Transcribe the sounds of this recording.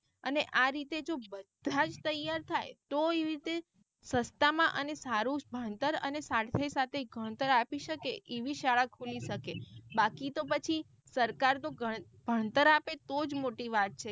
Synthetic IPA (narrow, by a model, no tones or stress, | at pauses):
əneʔaɾit̪ed͡ʒobəd̪̥ʱad͡ʒt̪əjaɾt̪ʰajt̪oeʋɾit̪e | səst̪amãʔənesaɾũbʱəɳt̪əɾə̰nesaɾt̪ʰəjsat̪ʰeɡʱəɽ̃t̪əɾapiʃəkeʔeʋiʃaɭakʰuliʃəkebakit̪opət͡ʃʰi | səɾkaɾt̪oɡʱə | b̥ʱəɽ̃t̪əɾapet̪od͡ʒmoʈiʋat̪̚t͡ʃʰe